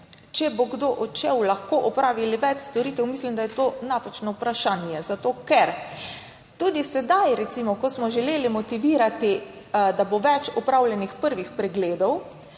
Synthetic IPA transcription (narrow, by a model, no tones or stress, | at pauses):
t͡ʃɛboɡd̪oʔɔt͡ʃɛwlaxkoʔɔpɾaːʋiliʋɛt͡ʃst̪ɔɾiːt̪ɛwmislimd̪ajɛt̪onapat͡ʃnɔupɾaʃaːnjɛzat̪oːkɛɾ | t̪uːd̪isɛd̪ajɾɛt̪simɔkɔsmɔʒɛleːlimɔt̪iʋiːɾat̪i | d̪aboʋɛt͡ʃɔpɾawljɛnixpəɾʋixpɾɛɡleːd̪ɔw